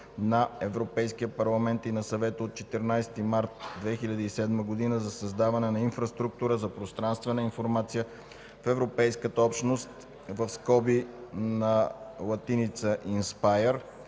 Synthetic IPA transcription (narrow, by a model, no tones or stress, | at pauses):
nɐɛvɾopɛjskijəpɐɾlˠɐmɛnt̪inɐsɐvɛt̪əot̪̚t͡ʃɛt̪ɛɾnajst̪imaɾt̪̚d̪vɛxilʲɐd̪əisɛd̪məɡod̪inəzɐsɐzd̪avɐnɛnɐinfɾɐst̪ɾuk̚t̪uɾəzɐpɾost̪ɾanst̪vɛnəinfoɾmat̪sijə | fɛvɾopɛjskət̪əɔpʃnost̪ | vəfskɔbinɐlˠɐt̪init̪səʔinspajəɾ